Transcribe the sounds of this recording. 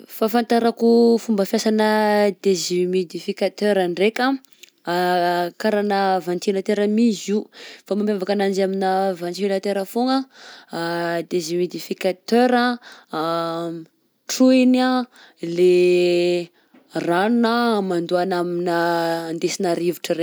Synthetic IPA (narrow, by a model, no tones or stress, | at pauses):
fafant̪aɾakufumbəfjasanəd̪ezimed̪ifikat̪øɾaɳɖ͡ʐekʲə | kaɾanəvant̪inat̪eɾəmizifamampavakanand͡ʒaminəvant͡siilat̪eɾəfoŋə | d̪ezimed̪ifikat̪øɾə | ʈ͡ʂuina | le | ranunəmand̪uanaminəːnd̪esinaɾiviʈ͡ʂəɾe